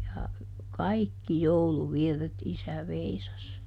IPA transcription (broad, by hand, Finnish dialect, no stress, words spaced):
jɑ kɑikːi jouluʋirːet isæ ʋeisɑs